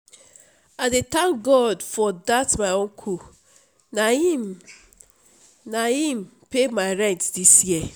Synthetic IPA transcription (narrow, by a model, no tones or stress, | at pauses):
adet̪ãŋk̚ɡɔdfɔdatmaɪõŋkʰu | nai | naɦim̩ | pemaɪɹɛ̃ntdisjiɛ